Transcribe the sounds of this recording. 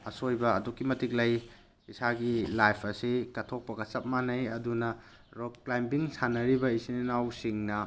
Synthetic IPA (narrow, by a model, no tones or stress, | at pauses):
ɐsojbɐɐdukːimɐtik̚lɐj | isaɡilajpʰɐsikɐtʰok̚pɐɡɐt͡ʃɐp̚manɐjɐdunɐ | ɾoklajmpiŋsanɐɾibɐisininawsiŋnɐ